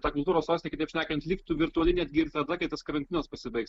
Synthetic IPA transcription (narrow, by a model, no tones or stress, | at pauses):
t̪ɑːkʊlˠt̪uɾoːsoːsʲnʲɪkɪt̪ɛɪpʃʲnʲæːkɐnt̪lʲiːkt̪ʊʋʲɪɾt̪ʊɐlʲɪnʲɛd̪ʲɡʲɪɪɾt̪ɐd̪ɐkɐɪt̪ɐskɐɾɐnʲt̪ʲɪnɐspɐsʲɪbɐɪks